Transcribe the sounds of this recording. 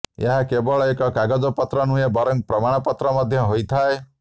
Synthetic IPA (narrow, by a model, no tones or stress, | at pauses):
ḛɦakebɔɭɔekɔkaɡɔd͡ʒɔpɔt̪ɾɔnũjebɔɾɔŋ̚pɾɔmaɽ̃ɔpɔt̪ɾɔmɔd̪ʱjɔɦojt̪ʰae